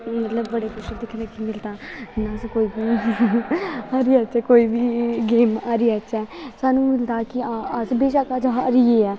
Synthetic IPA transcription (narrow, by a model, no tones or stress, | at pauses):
mət̪ləbːəɽeːkʊʃəd̪ɪkʰnekimɪlt̪aːnãːskoːiːbiː | aːɾiːətːʃɛːkoːiːbiːɡeːmaːɾiːətːʃʰɛːsaːnũːmɪlt̪aːkɪaəsbeːʃakad͡ʒaɾiːeːɛː